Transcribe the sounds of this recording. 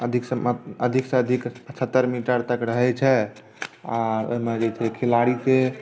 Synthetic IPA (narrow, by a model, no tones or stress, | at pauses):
əd̪ʱiksəəd̪ʱiksə̃əd̪ʱikət͡ʃʰət̪ːəɾmiʈəɾt̪əkɾəɦɛt͡ʃʰɛ | aɾo̰ɦimed͡ʒɛt͡ʃʰɛkʰelaɽise